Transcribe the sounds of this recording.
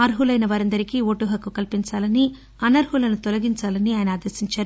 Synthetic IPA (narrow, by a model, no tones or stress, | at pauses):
ɐɾɦulɐjnɐʋaːɾɐnd̪ɐɾikioːʈuɦɐkːukɐlpiɲt͡ʃaːlɐni | ɐnːɐɾɦulɐnut̪ɔlɐɡiɲt͡ʃaːlɐniaːjɐnɐaːd̪ɐɾsiɲt͡ʃaːɾu